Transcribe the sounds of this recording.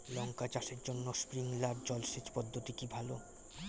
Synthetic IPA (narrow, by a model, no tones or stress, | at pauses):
lɔŋkat͡ɕaʃeɾd͡ʑonːospɾiŋlaɾd͡ʑɔlʃet͡ɕpɔd̪ʱːot̪ikibʱalo